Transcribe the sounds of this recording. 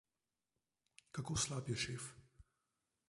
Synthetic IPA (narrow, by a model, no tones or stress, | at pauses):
kakoːslaːpjɛʃeːf